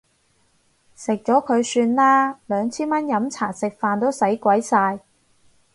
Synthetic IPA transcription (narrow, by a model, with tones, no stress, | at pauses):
sɪ˨k̚t͡ʃɔː˨˥kʰɵ˨˧ɥsyː˧nlaː˥lœː˨˧ŋt͡sʰiː˥nmɐ˥njɐ˨˧˥mt͡sʰaː˨˩sɪ˨k̚faː˨nt̪o˥wsɐ˨˥jkwɐ˨˥jsaː˧j